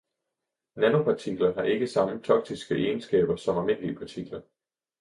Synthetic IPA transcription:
næno̝pʰɑ̈t͡sʰiɡ̥lɐɦɑ̈ʔe̝ɡ̥əsɑ̈mət͡sʰɒ̽ɡ̥̚d̥isɡ̥əʔeːnsɡ̥ɛ̰ːb̥ɐsɒ̽mælme̝n̰liəpʰɑ̈t͡sʰiɡ̥lɐ

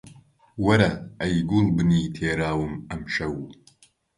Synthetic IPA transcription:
wɐɾɐɐjɡulˠbɨniːt̪ʰeːɾaːwɨmɐmʃɐw

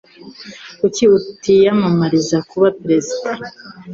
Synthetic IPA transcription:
kuciutijamamaɾizakuβapiɾe̞zida

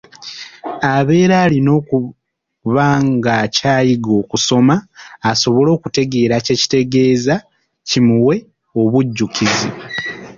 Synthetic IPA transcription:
aβe̞ːɾaːlino̞ːku | βaŋɡacaːjiɡo̞ːkuso̞maːso̞βo̞lo̞ːkute̞ɡe̞ːɾace̞ːci̥te̞ɡe̞ːza | cimuwe̞ | o̞βuɟːukizi

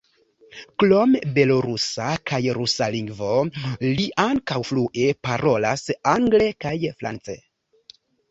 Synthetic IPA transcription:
klo̞mbe̞lo̞ɾusakajɾusaliŋɡvo̞liʔaŋkawfluʔe̞paɾʔo̞lasaŋɡle̞kajfɾʔa̰nt͡se̞̰

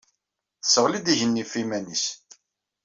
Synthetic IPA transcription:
θəsːəʁlid̪iʝənːifimænis

